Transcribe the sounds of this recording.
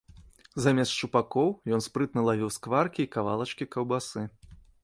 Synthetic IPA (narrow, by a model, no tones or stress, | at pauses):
zamʲɛst̪t͡ʂupakɔwjɔnspɾɨt̪nɐlˠavʲiwskvarkʲiːkava̰lˠɐt͡ʂkʲikɐwbasɨ